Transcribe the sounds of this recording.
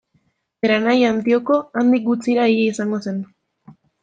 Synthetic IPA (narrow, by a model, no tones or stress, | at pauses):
eɾanajant̪io̞ko̞and̪ik̚ɡut͡siɾaiɾeisaŋɡo̞se̞n